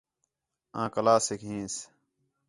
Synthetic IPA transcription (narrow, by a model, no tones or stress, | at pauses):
ãːkəlaːsikɦĩːs